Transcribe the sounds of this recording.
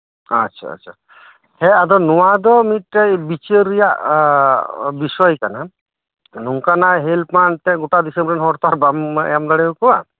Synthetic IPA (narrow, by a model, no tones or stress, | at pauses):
atʰa̰a̰t͡ʃʰa | hɛad̪ɔnuwad̪ɔmit̪̚ɾɛjbit͡ʃeɾijaʔ | bisɔjkana | nuŋkanaɦelpmant̪ɛ̃ɡuʈad̪isəmbɾɛnɦɔɾt̪aɾbamɛ̰jamd̪aɽɛukɔwa